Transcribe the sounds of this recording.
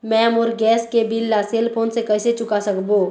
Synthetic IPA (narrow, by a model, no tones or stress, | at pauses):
mɛ̃ːmɔːɾɡɛːskebɪlːaseːlpʰoːnsekəɪset͡ʃʊkasəkboː